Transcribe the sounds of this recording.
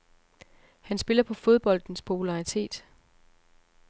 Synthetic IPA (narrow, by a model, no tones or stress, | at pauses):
hænsb̥e̝lɐpʰɒ̽fo̝ð̞ˠb̥ɒ̽l̰d̥n̩spʰo̝pʰulɑ̈it͡sʰe̝̰ːd̥